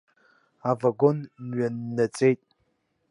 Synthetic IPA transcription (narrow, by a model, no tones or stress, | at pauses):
avaɡonnɥanːɐt͡sʼejtʼ